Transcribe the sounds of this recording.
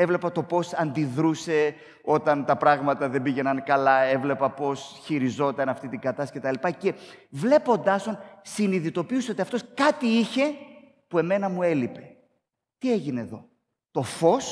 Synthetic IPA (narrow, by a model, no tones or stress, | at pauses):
e̞vle̞pɐt̪o̞po̞sɐnd̪iðɾuse̞ | o̞t̪ɐnt̪ɐpɾɐɣmɐt̪ɐðe̞biʝe̞nɐnkɐlɐe̞vle̞pɐpo̞sçiɾizo̞t̪ɐnɐft̪it̪iɡɐt̪ɐsi̥cet̪ɐlipɐcevle̞po̞nd̪ɐsonsiniðit̪o̞piuseot̪iɐft̪o̞skɐt̪iiçe̞ | pue̞me̞nɐmue̞lipe̞ | t̪ie̞ʝine̞ðo̞ | t̪o̞fo̞s